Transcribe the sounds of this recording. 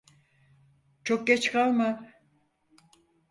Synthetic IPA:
t͡ʃokːet͡ʃkalma

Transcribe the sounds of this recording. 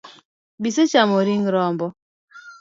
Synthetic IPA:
biset͡ʃamɔɾiŋɾɔmbɔ

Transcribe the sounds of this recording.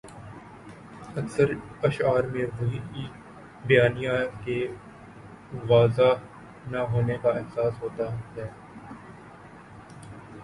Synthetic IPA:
ɐksəɾɐʃaːɾmẽʋoɦiː | bɪjaːnijake | ʋaːza | naɦoːnekaɪɦsaːsɦoːt̪aɦɛː

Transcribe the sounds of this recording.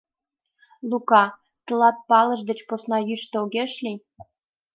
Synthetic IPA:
lukɑ | t̪ə̆lɑt̪̚pɑlə̆ʒd̪et͡ɕposnɑjyʃt̪eoɣeʃlʲi

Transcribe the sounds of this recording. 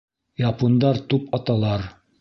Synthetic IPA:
jɑpond̪ɑɾt̪upɑt̪ɑlˠɑɾ

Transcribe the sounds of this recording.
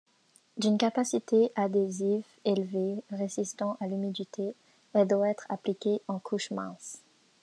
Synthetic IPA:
d̪ynkapasit̪eʔad̪eziv | elveʁezist̪ɑ̃ʔalymid̪it̪ʰe | ɛld̪waɛt̪χa̰plikʲeʔɑ̃kʰuʃmɛ̰̃s

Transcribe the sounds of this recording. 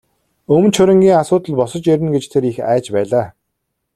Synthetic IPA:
ɵmnt͡ɕʰɵɾʲɘ̆ŋɡʲiːŋasʊːt̪ə̆ɮpɔsə̆t͡ɕeɾʲɘ̆nɡet͡ɕt̪ʰeɾixæ̰ːt͡ɕpæːɮaː

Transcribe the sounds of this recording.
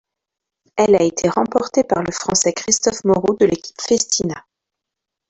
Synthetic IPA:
ɛlaet̪ʰeʁɑ̃pɔʁt̪epaʁləfχɑ̃sɛkχist̪ɔfmɔʁod̪əlekʲi̥pfest̪ʰina

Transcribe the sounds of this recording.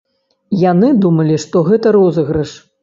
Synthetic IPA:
janɨd̪umɐlʲiʂt̪ɔɣɛt̪ɐɾɔzɐɣɾɨʂ

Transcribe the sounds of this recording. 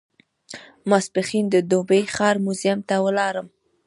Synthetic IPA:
maspəxind̪əd̪obəjxɑɾmuzijamt̪awəlɑɾəm

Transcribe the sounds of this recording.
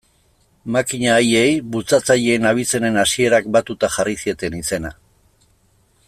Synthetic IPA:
makiɲaːje̞jβut͡sat͡saʎe̞ːnaβ̞it͡se̞ne̞nasie̞ɾak̚bat̪ut̪axarisie̞t̪e̞nise̞na

